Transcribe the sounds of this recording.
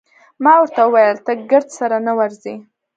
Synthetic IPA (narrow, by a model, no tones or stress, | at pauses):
mɑwəɾt̪awəwajəlt̪aɡəɾd̪saɾanawaɾzi